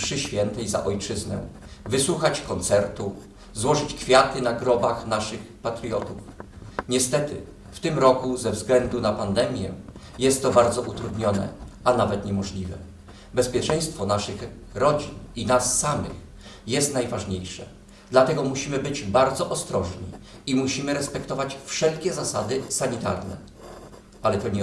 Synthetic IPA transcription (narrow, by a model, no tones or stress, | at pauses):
ʂɘɕfʲjɛnt̪ɛjza̰ʔɔjt͡ʂɘznɛ̰vɘswuxat͡ɕkɔnt̪sɛɾt̪u | zwɔʐɘt͡ɕkfʲjat̪ɘnaɡɾɔbaxnaʂɘxpat̪ɾijɔ̰t̪ufɲɛst̪ɛt̪ɘ̰ | ft̪ɘmɾɔkuzɛvzɡlɛnd̪unapand̪ɛmʲjɛ̰ | jɛst̪ːɔbaɾd̪zɔʔut̪ɾud̪ɲɔnɛ̰anavɛt̪ɲɛmɔʐlʲivɛ | bɛspʲjɛt͡ʂɛj̃st̪fɔnaʂɘx | ɾɔd͡ʑininasːamɘ̰x | jɛst̪najvaʐɲejʂɛ̰ | d̪lat̪ɛɡɔmuɕimɘbɘd͡ʑbaɾd̪zɔʔɔst̪ɾɔʐɲḭ | imuɕimɘɾɛspɛkt̪ɔvat͡ɕfʂɛlkʲɛzasad̪ɘsaɲit̪a̰ɾnɛ̰ | alɛt̪ɔɲɛ